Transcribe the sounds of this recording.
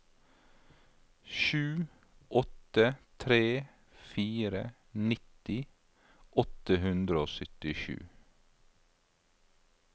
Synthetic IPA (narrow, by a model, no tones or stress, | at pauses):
ʃʉː | ʔɔt̪ət̪ʰɾeː | fiːɾə | nɪt̪ɪ | ʔɔt̪əhʉnd̪ɾəoːsʏt̪ɪʃʉ̰ː